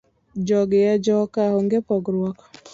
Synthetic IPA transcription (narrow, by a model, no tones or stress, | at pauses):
d͡ʒɔɡjɛd͡ʒɔkahoŋɡepɔɡɾwɔk